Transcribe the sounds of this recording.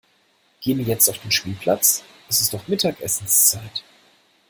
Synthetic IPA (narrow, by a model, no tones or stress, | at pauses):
ɡ̥eːənviːɐjɛt͡staʊfd̥eːnʃpiːlpʰla̰t͡sʔɛsɪstɔχmɪtʰaːkʔɛsn̩st͡saɪt